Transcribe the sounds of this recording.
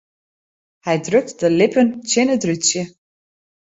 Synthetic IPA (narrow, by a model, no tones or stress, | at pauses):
hɛjdrʏk̚tdəlɪpənt͡ʃɛnədrysjə